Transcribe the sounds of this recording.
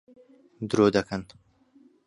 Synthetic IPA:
d̪ɾod̪ɐkʰɐn

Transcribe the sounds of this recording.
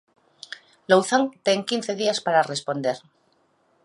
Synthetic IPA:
lowθaŋt̪e̞ŋkin̟θe̞ðiaspaɾare̞spo̞nd̪e̞ɾ

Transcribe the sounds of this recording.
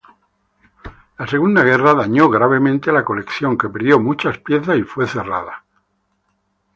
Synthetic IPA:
lase̞ɣ̞und̪aɣ̞e̞raðaɲo̞ɣɾaβ̞e̞mẽnt̪elako̞le̞kθjo̞ŋke̞peɾðjo̞mut͡ʃaspje̞θasifwe̞θe̞ra̰ða

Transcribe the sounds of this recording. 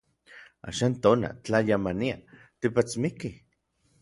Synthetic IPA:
a̰ːʃaːnt̪oːna̰t͡ɬajamania | t̪ipat͡smiki

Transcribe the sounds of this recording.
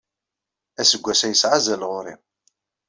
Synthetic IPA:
æsəɡʷːæsæjəsʕazælʁʊɾḭ

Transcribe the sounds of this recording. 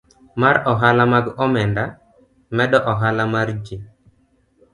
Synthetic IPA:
maɾɔɦalamaɡɔmɛnda | mɛdɔʔɔɦalamard͡ʒi

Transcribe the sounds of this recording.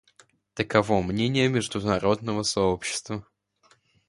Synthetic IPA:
t̪əkɐvo̞mnʲenʲɪjəmʲɪʐd̪ʊnɐɾo̞d̪nəvəsɐopɕːɪ̥st̪və

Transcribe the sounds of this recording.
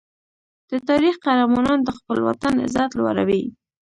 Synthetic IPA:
d̪̥ət̪ɑɾixqaɾamɑnɑnd̪əxpəlwa̰t̪anɪ̰zɑt̪lwa̰ɾa̰wi

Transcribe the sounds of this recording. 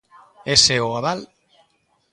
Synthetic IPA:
eseoaðal

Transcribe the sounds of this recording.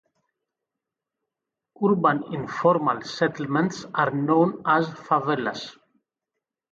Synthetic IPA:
uɾbãnĩnfɔɾmalsɛt̪l̩mə̃ntsaɾnõʊ̃nazfavɛla̰s

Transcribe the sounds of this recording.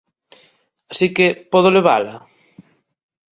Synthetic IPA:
asikepɔð̞oleβ̞a̰la

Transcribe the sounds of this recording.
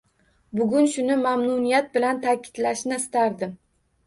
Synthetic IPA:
bʊɡʲʊnʃʊnɪmamnʊnijat̪̚bɪlant̪ʰakʲʰɪ̥d̪laʃnɪst̪ʰaɾd̪ɪm

